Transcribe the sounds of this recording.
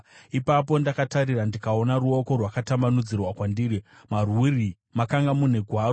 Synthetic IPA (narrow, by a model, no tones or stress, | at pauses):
ipapo̞ndakataɾirandikao̞naɾuo̞ko̞rwakatambanud͡zirwakwandiːɾi | marwiri | makaŋɡamune̞ɡʱwaːro